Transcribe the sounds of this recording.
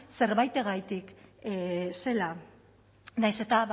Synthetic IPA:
se̞ɾβajt̪e̞ɣajt̪ik | se̞la | najse̞t̪aβ

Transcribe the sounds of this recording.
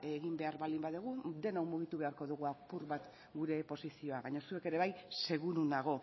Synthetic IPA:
eɣimbeaɾβald̪imbaðuɣ̞ud̪e̞nawmuɣ̞it̪uβe̞aɾko̞ðuɣ̞uapuɾβat̪ | ɡuɾe̞po̞sisio̞aβaɲosue̞ke̞ɾe̞β̞ajse̞ɣ̞uɾunaɣ̞o̞

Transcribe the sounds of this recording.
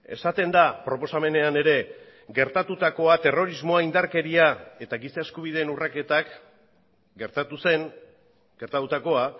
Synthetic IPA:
e̞̰sat̪e̞nd̪apɾo̞po̞same̞ne̞ane̞ɾe̞ | ɡe̞ɾt̪at̪ut̪ako̞at̪e̞ro̞ɾizmo̞aind̪aɾke̞ɾiae̞t̪aɡisaeskuβ̞iðe̞ːnurake̞t̪ak | ɡe̞ɾt̪at̪use̞ŋ | ɡ̥e̞ɾt̪at̪ut̪ako̞a

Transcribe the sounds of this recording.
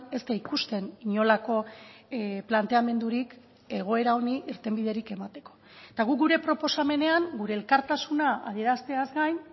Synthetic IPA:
e̞st̪aikust̪e̞niɲo̞lako̞ | plant̪e̞ame̞nd̪uɾik | e̞ɣ̞o̞e̞ɾao̞niʔiɾt̪e̞mbið̞e̞ɾike̞mat̪e̞̥ko̞̥ | et̪aɣ̞ukɡuɾe̞pɾo̞po̞same̞ne̞aŋɡuɾe̞ːlkaɾt̪asunaa̰ðie̞ɾast̪e̞azɡajn

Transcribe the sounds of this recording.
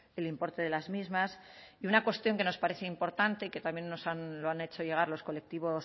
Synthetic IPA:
elimpo̞ɾt̪e̞ðe̞lazmizmas | iunakwe̞st̪jo̞ŋke̞no̞spaɾe̞θeimpo̞ɾt̪ant̪e̞ike̞t̪amje̞nːo̞sanloane̞t͡ʃo̞ʝe̞ɣ̞aɾlo̞sko̞le̞k̚t̪iβ̞o̞s

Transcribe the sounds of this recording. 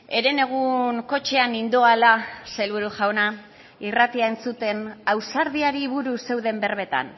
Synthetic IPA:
e̞ɾe̞ne̞ɣ̞uŋko̞t͡ʃe̞anind̪oalase̞lβuɾuʝawna | irat̪iae̞nt͡sut̪e̞nawsaɾðiaɾiβuɾuse̞wðe̞mbe̞ɾβe̞t̪a̰n

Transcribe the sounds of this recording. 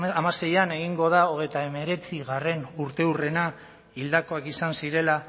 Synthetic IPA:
amase̞jane̞ɣiŋɡo̞ð̞ao̞ɣ̞e̞jt̪ae̞me̞ɾe̞t͡siɣare̞nuɾt̪e̞ure̞na | ild̪ako̞akisansiɾe̞la

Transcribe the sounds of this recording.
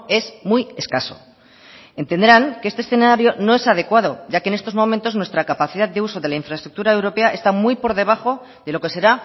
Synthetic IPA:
e̞smuje̞skaso̞̰ | e̞nt̪e̞nd̪ɾaŋkeest̪esθe̞naɾjo̞no̞e̞sað̞e̞kwað̞o̞ʝakenet̪o̞zmõ̞mẽnt̪oznwe̞st̪ɾakapaθiðat̪d̪e̞uso̞ðelaiɱfɾaest̪ɾuk̚t̪uɾae̞wɾo̞pe̞aʔe̞st̪amujpo̞ɾðe̞β̞aχo̞ | ðe̞lo̞ke̞se̞ɾa

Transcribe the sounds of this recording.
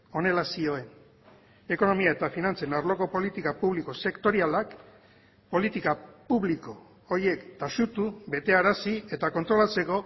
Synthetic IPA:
o̞ne̞lasio̞e̞n | e̞ko̞no̞miae̞t̪afinant͡senaɾlo̞ko̞po̞lit̪ikapuβliko̞se̞kt̪o̞ɾialak | po̞lit̪ikapuβliko̞ | oɾie̞kt̪aʃut̪uβe̞t̪e̞aɾasie̞t̪ako̞nt̪ɾo̞lat͡se̞ko̞

